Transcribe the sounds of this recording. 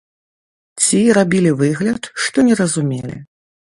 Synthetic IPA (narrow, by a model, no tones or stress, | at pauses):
t͡sʲiɾabʲilʲivɨɣlʲɐt̪ʂt̪ɔnʲɛɾɐzumʲelʲḭ